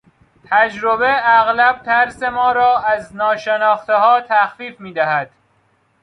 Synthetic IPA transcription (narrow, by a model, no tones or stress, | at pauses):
t̪ʰæd͡ʒɾobeæɣlæb̥̚t̪ʰæɾsemɒːɾɒːæznɒːʃenɒːxt̪ehɒːt̪ʰæxfiːfmiːd̪æhæd̪̥